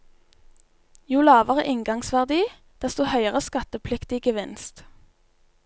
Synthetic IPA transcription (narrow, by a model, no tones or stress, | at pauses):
juːlɑːʋəʁə̰ʔɪŋɡɑŋsʋæʁd̪iː | d̪̥ɛst̪uːhœʏəʁəskɑt̪əpʰlɪkt̪ɪɡəʋɪnst̪